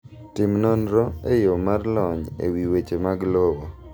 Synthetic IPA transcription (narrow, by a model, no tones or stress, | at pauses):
tɪmnɔnɾɔejomarlɔɲḛwiwet͡ʃemaɡlowo